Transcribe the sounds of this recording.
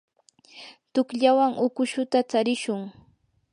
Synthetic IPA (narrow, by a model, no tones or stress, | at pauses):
t̪ʊkʎawaŋʔʊkʊʃʊt̪at͡saɾɪʃʊŋ